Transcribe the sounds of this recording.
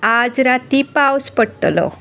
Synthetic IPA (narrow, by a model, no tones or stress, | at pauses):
ad͡zɾat̪ipawspəɽʈlɔ̰